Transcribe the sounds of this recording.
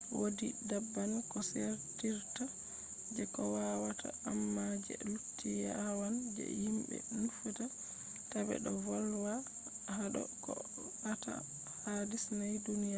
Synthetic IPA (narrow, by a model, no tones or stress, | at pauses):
wodidabːankɔseɾtiɾta | d͡ʒɛkɔwawatʰa̰amːad͡ʒɛ̰lutʰːijawand͡ʒɛ̰himbɛ̰nufata | tabɛ̰ɗɔvɔlwa | haɗɔ̰kɔ | ata̰ | hadisnajdunija